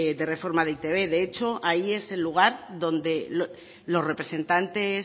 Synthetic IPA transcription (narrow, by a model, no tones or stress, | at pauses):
ðe̞re̞fo̞ɾmaðeit̪e̞β̞e̞ðe̞et͡ʃo̞ʔaie̞se̞lːuɣ̞aɾðo̞nd̪e̞lo | lo̞zre̞pɾe̞se̞nt̪ant̪e̞s